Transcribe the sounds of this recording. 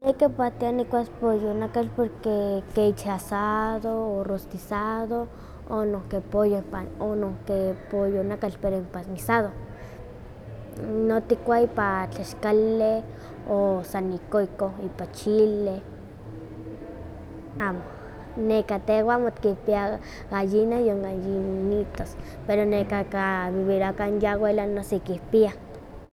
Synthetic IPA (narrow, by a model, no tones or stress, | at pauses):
nekepat̪ianikʷaspojonakat͡ɬpoɾkekeit͡ʃasaðoːrost̪isaðo | onokepojopaonokepojonakat͡ɬpeɾoimpamisaðo | not̪ikʷaipat͡ɬaʃkale | osanikoikoipat͡ʃile | aːmo | nekat̪ewamot̪kihpia | ɡajinajoŋɡajinit̪os | peɾonekakaβiβiɾakanjawelanosekihpia